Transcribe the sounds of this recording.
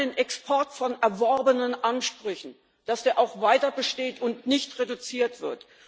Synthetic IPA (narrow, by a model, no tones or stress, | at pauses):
eːnʔɛkspʰɔɐtfɔnɛɐvɔɐbənənʔanʃpʁ̥ʏçn̩ | d̥asd̥eːɐʔaʊxvaɪtɐbəʃteːtʊntnɪçtʁedut͡siːɐtv̥ɪɐt